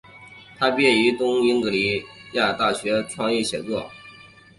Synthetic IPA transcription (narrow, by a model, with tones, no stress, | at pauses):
t̪ʰa˥pjɛ˥˩y˧˥t̪ʊ˥ŋi˥nk̪ɤ˧˥li˧˥ja˥˩t̪a˥˩ɕɥɛ˧˥ʈ͡ʂʰwɑ˥˧ŋi˥˩ɕjɛ˨˩nt͡swɔ˥˩